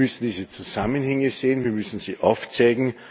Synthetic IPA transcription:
ʏsn̩d̥iːzət͡suz̥amənhɛŋəzeːənviːɐmʏsn̩z̥iːʔaʊft͡sɛːɡŋ̩

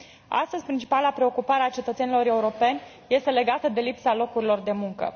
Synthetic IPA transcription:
a̰st̪əzʲpɾint͡ʃi̥palapɾe̞o̞kupaɾeat͡ʃe̞t̪ət̪se̞nilo̞ɾe̞uɾo̞pe̞nʲ | je̞st̪e̞le̞ɡat̪əd̪e̞lipsalo̞kuɾilo̞rd̪e̞muŋkə̰

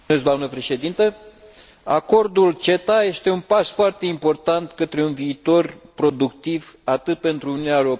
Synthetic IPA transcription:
ezɡd̪oamnəpɾe̞ʃe̞d̪int̪ə | a̰ko̞rd̪ult͡ʃe̞t̪aje̞st̪e̞unpasfoart̪e̞impo̞rt̪ant̪kət̪ɾe̞unviːt̪o̞rpɾo̞d̪ukt̪ivat̪ɨt̪̚pe̞nt̪ɾuununʲaeɾo

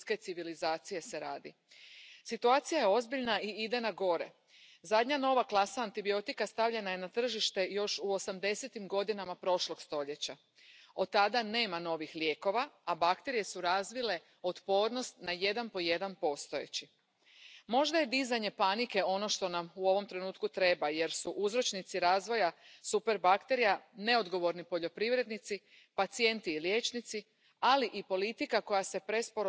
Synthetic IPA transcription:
ske̞t̪siʋilizaːt̪sije̞se̞ɾaːd̪ḭ | sit̪uaːt̪sijaje̞o̞zbiʎnaiid̪e̞naɡo̞ɾe | zad̪ɲano̞ʋaklˠasaːnt̪ibio̞t̪ikast̪aʋʎe̞naje̞nat̪r̩ʒiʃt̪e̞jo̞ʃuo̞samd̪e̞se̞t̪imɡo̞d̪inamapɾo̞ʃlo̞ɡst̪o̞ʎe̞t͡ɕa | o̞d̪̚t̪ːad̪ane̞ːmano̞ʋixlje̞ːko̞ʋaabakt̪e̞ɾije̞suɾazʋile̞ | ot̪po̞ːɾno̞st̪naje̞d̪anpo̞je̞d̪anpo̞st̪o̞ḛt͡ɕi | mo̞ʒd̪aje̞d̪izaɲe̞panike̞o̞no̞ʃt̪o̞namuo̞ʋo̞mt̪ɾe̞nuːt̪kut̪ɾe̞baje̞ɾsuʔuzɾo̞t͡ʃnit̪siɾaːzʋo̞jasupe̞ɾbakt̪e̞ɾijane̞o̞d̪ɡo̞ʋo̞ɾnipo̞ʎo̞pɾiʋɾe̞d̪nit̪si | pat̪sije̞nt̪iːljeːt͡ʃnit̪si | aliʔipo̞lit̪ikako̞jase̞pɾe̞spoɾ

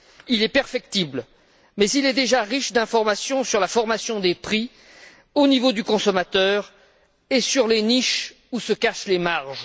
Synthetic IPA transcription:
ilɛpɛʁfɛk̚t̪ibl | mɛzilɛd̪eʒaʁiʃd̪ɛ̃fɔʁmasjɔ̃syʁlafɔʁmasjɔ̃d̪epχi | onivod̪ykɔ̃sɔmat̪œːʁ | esyʁleniʃ | usəkaʃlemaʁʒ

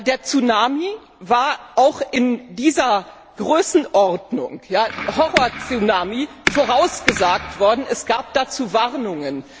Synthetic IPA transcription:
deːɐt͡sunaːmi | vaːɐʔaʊxɪndiːzɐ | ɡ̥ʁøːsn̩ʔɔʁdnʊ̰ŋjaːhɔʁoːɐt͡synaːmi | foʁ̞aʊsɡ̥əzaːk̚tv̥ɔɐdn̩ɛsɡ̥aːp̚d̥aːt͡suːvaʁnʊŋən

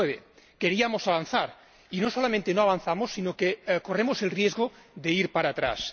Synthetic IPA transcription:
eβe | keɾiamosaβanθaɾ | inosolamẽnt̪enoaβ̞an̟θamosːinokekoremozelrijezɣoðeiɾpaɾaːt̪ɾa̰s

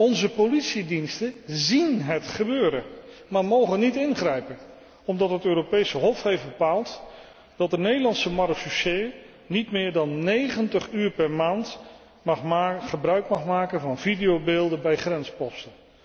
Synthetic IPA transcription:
ɔnzəpolitsidinstəzinɦətχəbøːɾənmaːɹmowχənitɪnχrɛjpən | ɔmdɑtɦətøːɾopejsəɦɔfɦejfbəpaːlˠt | d̥ɑt̚dənejdəlɑnsəmɑrkfuse | nitmɪːɹdɑnːejχəntəχyːɹpɛɹmaːnt | ɑχχəbrœɥkmɑχmaːkənvɑnvidijowbeːlˠdəbɛjχrɛnspɔstən

